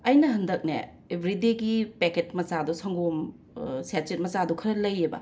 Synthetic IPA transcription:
ɐjnɐɦɐndɐk̚nḛ | ebʱɾideɡipeket̚mɐsadusɐŋɡom | sat͡ʃet̚mɐt͡ʃadukʰɐɾɐlɐjebɐ̰

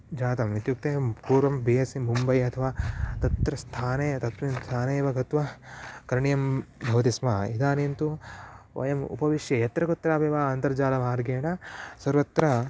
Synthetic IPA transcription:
d͡ʒaːt̪ɐmʋit̪juk̚t̪eːpuːɾʋɐmbiːɐsimumbɐjɐt̪ʰɐʋaːt̪ɐt̪ɾɐst̪ʰaːneːt̪ɐt̪ʋɐnt̪ʰaːneːʋɐɡʱɐt̪ʋɐkɐɾɳijɐmbʱɐʋɐt̪ismaːid̪aːnint̪uʋɐ̰jɐmṵpɐʋiʂjɐjɐt̪ɾɐɡut̪ːɾaːbeːʋaːnt̪ɐɾd͡ʒaːlɐmaːɾɡeːɳɐsɐɾʋɐt̪ɾɐ

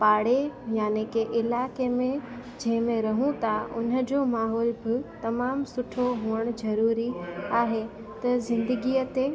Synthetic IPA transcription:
paːɽejaːnekeʔɪlaːkemẽ | d͡ʑɐ̃ɦɪ̃mẽɾɐɦũt̪ʰaʊ̰nə̆d͡ʑoːmaːɦɔːlbɪt̪ɐmaːmsʊʈʰoɦuəɽ̃zɐɾuːɾiaːɦe | t̪ɐzɪ̃nd̪əɡiət̪e

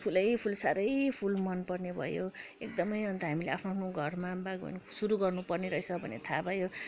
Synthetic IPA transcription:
pʰulʌjpʰulsaɾʌjpʰulmʌnpʌrnebʱʌ̰joek̚d̪ʌmʌjɦʌnt̪ʌɦamileapʰnoapʰnoɡʱʌrmabaɡbʱʌ̰nsuɾuɡʌrnupʌrneɾʌɦt͡sʰʌbʱʌnḛt̪ʰabʱʌjo

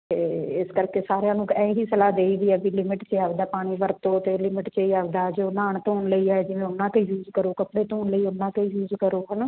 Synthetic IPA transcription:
t̪eːɪskəɾkeːsaːɾejãːnũːɛ̃ːɦiːsəlaːd̪eːiːd̪iːɛːbiːlɪmɪʈt͡ʃeaːʋd̪aːpaːɽ̃iːʋəɾt̪oːt̪eːlɪmɪʈt͡ʃeiːaːʋd̪aːd͡ʒoːnaːɳt̪oːnləiːaːɛːd͡ʒɪʋẽːʊnːãːk̪ejuːzkəɾoːkəpɽeːt̪oːnləiːʊnːãːk̪ejuːzkəɾoːɦən

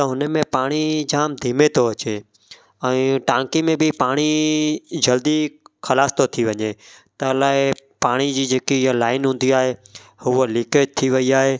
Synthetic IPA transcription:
t̪ɐɦʊnəmẽpaːɽ̃id͡ʑaːmd̪ʱiːmet̪ʰoɐt͡ɕeː | ɛ̃ːʈãːŋkimẽbɪpaːɽ̃i | d͡ʑɐld̪ikʰɐlaːst̪ot̪ʰiʋɐɲet̪ɐlaːepaːɽ̃id͡ʑiːd͡ʑeːkijlaːɪnɦũːn̆d̪iaːɦe | hʊolɪːket̪ʰiʋɐiaːɦeː

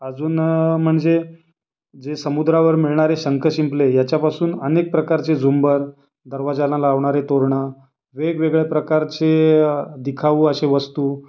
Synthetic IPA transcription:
əd͡zuːnm̤əɳd͡ze | d͡zesəmud̪ɾaʋəɾmiɭɳaɾeɕəŋkəɕimplejat͡ɕjapasuːnənek̚pɾəkaɾt͡sed͡zumbəɾ | d̪əɾʋad͡zalãlaʋɳ̃aɾet̪oɾɳa | ʋeɡʋeɡɭepɾəkaɾt͡sed̪ikʰaʋuːəɕeʋəst̪uː

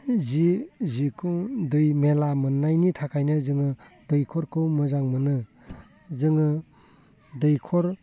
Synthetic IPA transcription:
zizikʰuŋdɯjmelamɯnːajnitʰakʰajnɯzɯŋɯ | dɯjkʰɔɾkʰɯwmɯzaŋmɯnɯ | zɯŋɯ | dɯjkʰɔɾ

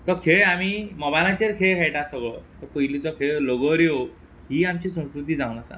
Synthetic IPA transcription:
t̪ɔkʰeɭamimɔbajlãt͡ɕeɾkʰeɭkʰajʈat̪ʰɔkɔt̪ɔpəilit͡sɔkʰeɭloɡɔɾjow | ɦiamt͡ɕisə̃w̃skɾut̪id͡zaw̃nasa̰

